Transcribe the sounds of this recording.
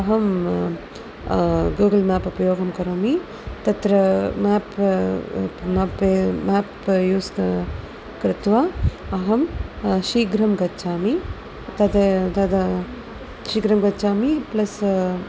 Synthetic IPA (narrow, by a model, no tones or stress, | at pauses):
ɐɦɐm | ɡuːɡɐlmaːpɐpɾɐjoːɡɐmkɐɾoːmi | t̪ɐt̪ɾɐmaːp | maːpmaːpjuːsɐ | kɾɪt̪ʋaɐɦɐmʃiːɡɾɐmɡɐt͡ʃaːmi | t̪ɐd̪et̪ɐd̪ɐ | ʃiːɡɾɐmɡɐt͡ʃaːmiplɐs